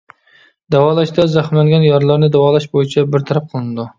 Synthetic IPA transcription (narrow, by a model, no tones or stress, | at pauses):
d̪̥æwɑːlˠɑʃd̪ɛzæχmlæŋɡʲɛnjɑɾlˠɑɾnɪd̪æwɑːlˠɑʃbojit͡ʃʰɛbɪɾt̪ʰaɾæp̚qʰəlˠɨnɨd̪u